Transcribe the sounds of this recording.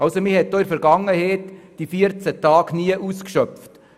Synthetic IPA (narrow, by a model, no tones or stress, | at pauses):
ɑlsomɪhɛt̪̚d̥ɔɪɾfɛɾɡɑŋːəheːtd̥ifiəɾt͡sætɑːɡniəʔuːskʃœpft